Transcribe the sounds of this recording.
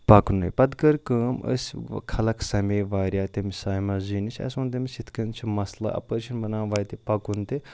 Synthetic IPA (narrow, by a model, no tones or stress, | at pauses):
pɐknɨ̰jpɐd̪kɐɾkɐːmə̰sʲkʰɐlɐkʰsɐmeːʋaːɾʲjaːt̪ɐmisaːjmɐzinit͡ʃʰʲɐ̰sʲunt̪ɐmʲisit̪ʰkɐnt͡ʃʰimɐslɐ̰ʔɐ̰pəɾʃɐnbɐnaːʋaːjt̪ipɐkunt̪e